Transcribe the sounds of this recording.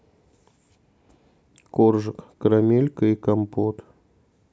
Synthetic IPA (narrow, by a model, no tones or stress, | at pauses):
korʐɨkːɾamʲelʲkəikɐmpot̪